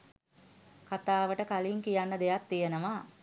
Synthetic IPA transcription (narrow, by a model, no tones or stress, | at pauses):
kat̪aːʋəʈəkaliːŋkijanːəd̪ejat̪ːijenəʋaː